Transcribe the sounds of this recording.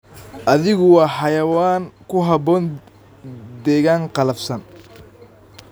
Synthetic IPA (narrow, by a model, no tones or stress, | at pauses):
ʔɐðɪɣʊwɑːħɑjɐwaːŋkʰʊɦɑbɔːn | d̪ɛːɣaːŋqɑlɐfsɐn